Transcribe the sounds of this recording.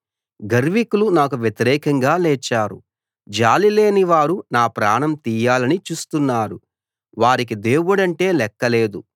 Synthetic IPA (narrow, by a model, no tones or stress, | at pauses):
ɡɐɾʋikulunaːkuʋjɐt̪iɾɛːkɐŋɡaːlɛːt͡ʃːaːɾṵ | d͡ʒaːlileːniʋaːɾunaːpɾaːɳɐmt̪iːjaːlɐnit͡ʃuːst̪unːaːɾu | ʋaːɾik̬id̪e̞ːwuɽɐɳʈe̞ːlɛkːɐle̞ːd̪u